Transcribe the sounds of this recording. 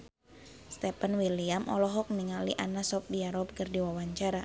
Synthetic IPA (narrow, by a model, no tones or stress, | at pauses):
st̪ɛpanwiliamʔɔ̰lɔɦɔk̚niŋaliʔanasɔp̚diaɾɔp̚kərdiwawaɲt͡ʃaɾa